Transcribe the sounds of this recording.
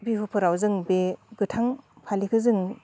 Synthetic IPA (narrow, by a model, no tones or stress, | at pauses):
biɦupʰɯɾawzɯŋbeɡɯtʰaŋ | pʰalikʰɯzɯŋ